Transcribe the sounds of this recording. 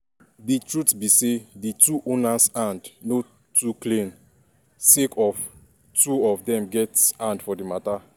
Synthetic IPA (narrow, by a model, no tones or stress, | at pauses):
ditɹutbisedituʔonasãndno | tuklĩn | sekɔf | tuɔfdɛ̃mɡɛtsãndfɔdimata